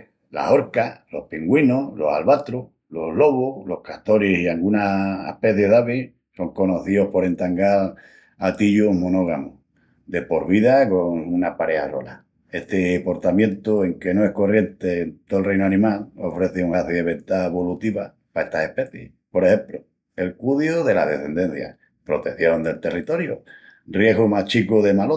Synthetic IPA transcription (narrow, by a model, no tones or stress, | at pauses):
la̰ho̞ɾkalo̞̰hpiŋɡwinolo̞salβat̪ɾu | loɦlo̞β̞olo̞hkat̪o̞ɾisiaŋɡunaḛhpe̞θjeðaβi | so̞ŋko̞noθio̞hpo̞ɾe̞nt̪aŋɡaɾ | at̪iʎomono̞ɣ̞amo | d̪e̞po̞ɾβiðakoŋunapaɾe̞aso̞̰la | e̞t̪epo̞ɾt̪amjẽ̞nt̪ue̞ŋke̞noe̞hko̞rje̞nt̪e̞nt̪oelrejnoanĩmalofɾe̞θeuŋaθiðeβe̞nt̪aeβo̞lut̪iβa | pae̞st̪ase̞pe̞θjḛh | po̞ɾehe̞mplo | e̞lkuðjoðe̞la̰ɦðe̞̰θe̞nd̪e̞n̟θja̰ | pɾo̞t̪e̞θjo̞nd̪e̞lt̪e̞rit̪o̞ɾjorje̞ɦɣumat͡ʃikuðe̞malo